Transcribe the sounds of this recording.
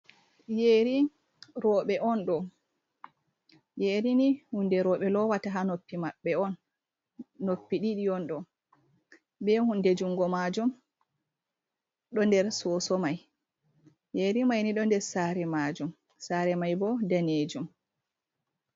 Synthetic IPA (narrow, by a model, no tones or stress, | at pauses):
jeːɾi | ɾɔːɓɛʔɔnɗɔ | jeːɾinihundɛɾɔːɓɛlɔwataɦanopːimaɓːɛɔnː | opːiɗiɗiɔnɗɔ | bɛhundɛd͡ʒuŋɡɔmad͡ʒum | ɗɔndɛɾsɔːsɔmaj | jeːɾimajniɗɔndɛɾsaɾɛmaːd͡ʒum | saːɾɛmajbɔdaned͡ʒum